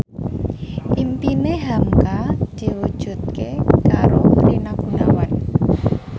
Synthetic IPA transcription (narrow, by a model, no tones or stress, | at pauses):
ʔimpineɦamkad̪̥i̤wud̥ʒ̥ṳt̪̚kekaɾoməɾinaɡ̥ṳnawan